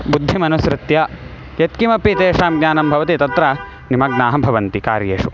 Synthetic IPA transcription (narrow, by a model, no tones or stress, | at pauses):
bud̪ʱːimɐnusɾɪt̪jɐ | jet̪kimɐpit̪eːʂaːmɡnʲaːnɐmbʱɐʋɐt̪it̪ɐt̪ɾɐ | nimɐɡ̚naːɦɐbʱɐʋɐnt̪ikaːɾjeːʂu